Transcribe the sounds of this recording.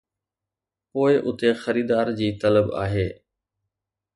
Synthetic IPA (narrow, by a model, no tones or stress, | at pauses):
poːɪʔʊt̪exɐɾiːd̪aːɾd͡ʑiːt̪ɐləba̰ːɦeː